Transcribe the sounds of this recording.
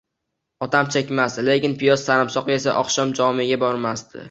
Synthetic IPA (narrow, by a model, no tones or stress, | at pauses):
ɒt̪ʰamt͡ʃʰekʲmasd̪ɪle̞kʲɪnpɪjɒzːaɾɪmsɒqɨe̞saʔɒqʃɒmd͡ʒɒmɪɡʲabɒɾmast̪ɪ̰